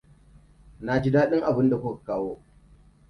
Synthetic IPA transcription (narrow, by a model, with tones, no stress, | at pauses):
na˨d͡ʒɪ˦daː˦ɗɪ˦ŋʔa˨bɪ˦nda˨kʷʊ˦kḁ˨kaː˦woː˦